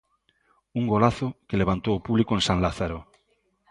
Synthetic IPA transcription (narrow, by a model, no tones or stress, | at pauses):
uŋɡolaθokeleβãnt̪owopuβlikoensãŋlaθaɾo